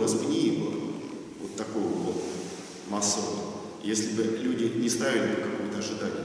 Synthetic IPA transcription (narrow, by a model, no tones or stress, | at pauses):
nasbnʲijibɨ | vot̪ːɐkojəvot | masːəvə | jesʲlʲɪbɨlʲudʲɪnʲɪst̪avʲɪlʲɪbɨkɐkujʊt̪əɐʐɨd̪anʲɪ